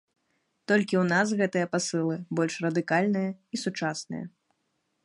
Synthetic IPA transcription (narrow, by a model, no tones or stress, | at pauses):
t̪ɔlʲkʲiwnasɣɛt̪ɨjɐpasɨlˠɨbɔlʲʂrɐd̪ɨkalʲnɨjɐisut͡ʂasnɨ̰jɐ̰